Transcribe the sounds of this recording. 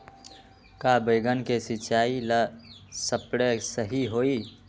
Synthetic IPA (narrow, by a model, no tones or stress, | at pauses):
kabəɪɡənkesit͡ʃailəsəpɽesəɦiɦoi